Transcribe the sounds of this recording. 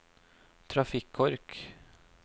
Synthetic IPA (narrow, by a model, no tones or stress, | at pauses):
t̪ʰɾafikʰːɔɾk